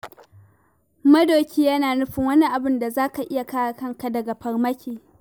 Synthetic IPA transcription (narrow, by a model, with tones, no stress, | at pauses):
mɐ˦doː˨kʲiː˦ja˦naː˨nʊ˦ɸɪ˨ŋwɐ˦ni˦ʔa˨bɪ˦nda˨zaː˦ka˨ʔɪ˦ja˨kaː˦ja˨kɐ˦ŋka˨dɐ˨ɡa˨ɸɐ˨rmɐ˦kʲeː˨